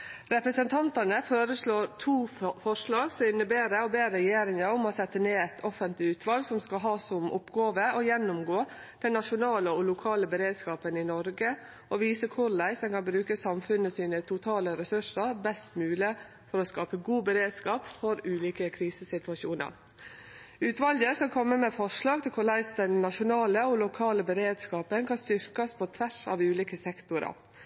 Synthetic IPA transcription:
ɾɛpɾəsənt̪ʰɑnt̪ɑnəføːɾəʂɭoːɾt̪ʰuːfɔʂlɑːɡsɔɪnːəbeːɾəɔbeːɾɛjeːɾɪŋəʊmɔsɛt̪ːəneːɛt̪ʰɔfənt̪lɪʉːt̪ʰʋɑlɡsɔmskɑlɦɑːsɔmʔʊ̰pɡoːʋəɔjɛnːʊmɡoː | d̪̥ɛnːɑʂʊnɑːləɔlʊkʰɑːləbəɾeːd̪skɑːpənɪnɔɾɡə | ʔɔʋiːsəkʰʊɾlæɪsd̪ɛnkʰɑnbɾʉːkəsɑmfʉnːəsiːnət̪ʰʊt̪ʰɑːləɾɛsʉʂəɾbɛst̪mʉːlɪ | fɔɾɔskɑːpəɡuːbəɾeːd̪skɑːpfɔɾʉːliːkəkʰɾiːsəsɪt̪ʉʋɑʃuːnə̰ɾ | ʉːt̪ʋɑld̪əskɑlkʰɔmːəmeːfɔʂɭɑːɡ̚t̪ʰɪlkʰʊɭæɪsd̪ɛnːɑʂʊnɑːləɔlʊkʰɑːləbəɾeːd̪skɑːpənkʰɑnst̪ʏɾkɑspʰɔt̪ʰʋæʂɑ̰ʋʉːliːkəsɛkt̪ʊɾɑ̰

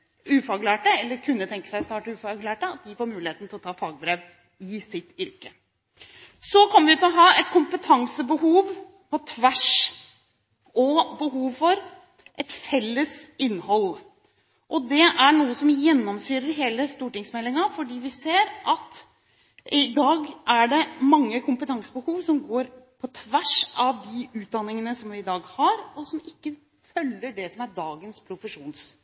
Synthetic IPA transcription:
ʉːfɑɡlæːʈəɛlːəɾkʰʉnːət̪ʰɛŋkə̥sæɪst̪ɑːʈəʉːfɑɡlæːʈəɑt̪̚d̪ɪfoːɾmʉːlɪheːt̪n̩t̪ɪlɔt̪ʰɑːfɑːɡ̚bɾeːʋ | ɪsɪt̪ːʏɾkə | sɔkʰɔmːəʋɪʉːt̪lɔɦɑːɛt̪kʰʊmpət̪ʰɑŋsəbəhuːʋ | pʰɔt̪ʰʋæʂ | ɔbəɦuːʋfɔɾ | ʔɛt̪fɛlːəsɪnːhɔl | ʔɔd̪ɛʔæɳuːəsɔmjɛnːɔmsyːɾəɾɦeːləst̪uːʈɪŋsmɛlːɪŋɑfɔɖiːʋɪseːɾʔɑt̪ | ʔɪd̪ɑːɡʔæɖɛmɑŋːəkʰʊmpət̪ʰɑŋsəbəhuːʋsɔmɡoːɾpʰɔt̪ʰʋæʂʔɑʋd̪ɪʉːt̪̚d̪ɑnːɪŋənəsɔmʋɪɪd̪ɑːɡhɑɾɔsɔmɪkːə | fœlːəɖɛsɔmæɖɑːɡənspʰɾʊfəʂuːns

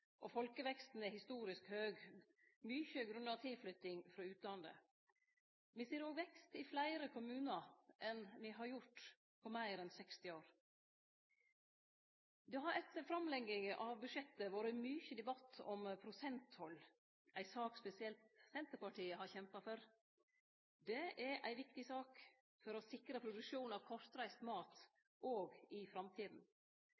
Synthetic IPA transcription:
ʔɔfɔlkəʋɛkst̪n̩ɛhɪst̪uːɾɪskhøːɡ | myçəɡɾʉnːɑt̪ʰɪlflʏt̪ɪŋfɾɑːʉːt̪lɑnd̪ə̰ | ʋɪseːɾoːɡʋɛkst̪ɪflæɪɾəkʰʊmʉːnɑʔɛnʋɪɦɑɾjʊʈ | pʰɔmæɪɾɛnsɛkst̪ɪoːɾ | d̪ɛɦɑɾɛt̪fɾɑmlɛɡɪŋʔɑʋbʉʂɛt̪ːəʋoɾɪmyːçəd̪ɛbɑt̪ʰːɔmpʰɾʊsɛnt̪hɔlː | æɪsɑːkspɛsɪɛlt̪sɛnt̪əɾpɑʈʰiːəhɑçɛmpɑfɔɾ | d̪ɛʔæɾʔæɪʋɪkt̪ɪsɑːk | fɔɾɔsɪkɾəpʰɾʊd̪ʉʂuːnɑʋkʰɔʂt̪ɾæɪst̪mɑːt̪ | ʔoːɡɪfɾɑmt̪ʰiːd̪n̩

